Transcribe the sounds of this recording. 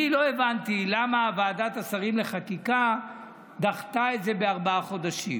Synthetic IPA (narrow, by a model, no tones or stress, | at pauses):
ilo̞evant̪ilamaːvaːdat̪asaʁimle̞χakika | d̪aχt̪ae̞tze̞be̞aʁbaaχo̞d̪aʃḭm